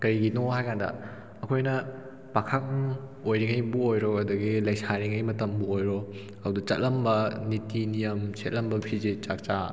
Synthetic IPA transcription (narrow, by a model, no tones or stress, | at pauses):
kɐɾiɡinoɦajkʰandɐ̰ | ɐkʰojnɐ | pakʰak̚ojɾiŋɐjbuojɾɔɐduɡilɐjsaɾiŋɐjmɐtɐmbuojɾo | ɐwdut͡ʃɐ̰t̚lɐmbɐnitinijɐmsʰet̚lɐmbɐpʰizit͡ʃak̚t͡ʃa